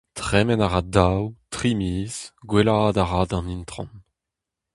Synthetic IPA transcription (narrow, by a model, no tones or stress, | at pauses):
t̪χɛmɛnaʁad̪awt̪χimiːz̥ɡwelaːdaʁaːdɑ̃nint̪χɑ̰̃n